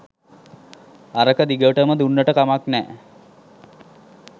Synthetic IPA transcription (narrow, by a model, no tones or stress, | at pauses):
aɾəkəd̪iɡəʈəməd̪unːəʈəkamaknɛ̰ː